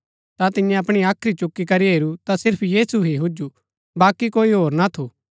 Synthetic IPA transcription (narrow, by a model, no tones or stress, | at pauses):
t̪at̪ɪjɛ̃ɐpɽ̃iaːkʰɾit͡ʃʊkːikɐɾiɦeːɾut̪asɪɾpʰjiːsuɦiɦud͡ʒu | baːkikoːiɦoːɾnat̪ʰoː